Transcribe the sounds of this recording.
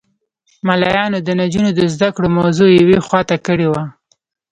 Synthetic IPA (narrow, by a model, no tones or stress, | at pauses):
malɑjɑnod̪ənad͡ʒunod̪əzd̪akɽomawzojawexwɑt̪akəɽewa